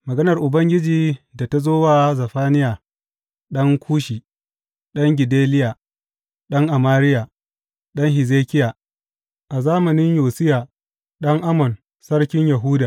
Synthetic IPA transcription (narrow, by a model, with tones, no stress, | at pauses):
mɐ˨ɡɐ˦nɐ˨rʔʊ˨bɐ˦ŋɡʲɪ˦d͡ʒiː˨da˨ta˦zoː˦waː˦zɐ˨ɸaː˦nɪ˦jaː˨ | ɗɐ˦ŋkʷʰuː˦ʃiː˨ | ɗɐ˦ŋɡʲɪ˨deː˦lɪ˦ja˨ | ɗɐ˦ŋʔa˨maː˦ɾɪ˦ja˨ | ɗɐ˦ŋhɪ˨zeː˦kʲɪ˦ja˨ | ʔa˨zaː˦mɐ˨nɪ˦ɲjoː˨sɪ˦jaː˨ | ɗɐ˦ŋʔa˦mɔ˨n | sɐ˦rkʲɪ˦ɲjɐ˨ɦuː˦daː˨